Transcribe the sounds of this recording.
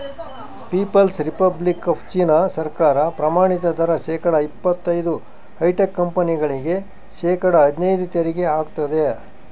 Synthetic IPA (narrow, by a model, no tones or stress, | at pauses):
piːpɐlsɾipɐblikɐpʰt͡ʃiːnɐsɐɾkaːɾɐpɾɐmaːɳit̪ɐd̪ʱɐɾɐʃɛːkɐɽɐipːɐt̪ːɐjd̪u | hɐjʈekːɐmpɐniɡɐɭiɡe̞ | ʃeːkɐɽɐːd̪inɐjd̪ut̪eɾiɡeaːɡt̪ɐd̪e̞